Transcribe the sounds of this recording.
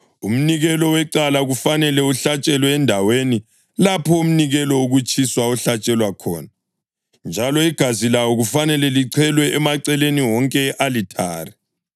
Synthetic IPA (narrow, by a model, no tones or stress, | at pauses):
um̩niɣɛlɔwɛǀalaɣufanɛlɛuɬat͡ʃʼɛlɔɛndʱaweni | lapʰɔum̩niɣɛlɔoɣut͡ʃʼʰiswauɬat͡ʃʼɛlwakʰɔ̰ːna | nd͡ʒʱalɔiɡ̥ʱazilawɔɣufanɛlɛliǀʰɛlwɛʔɛmaǀɛleniwɔŋkʼɛʔalitʰa̰ːrɛ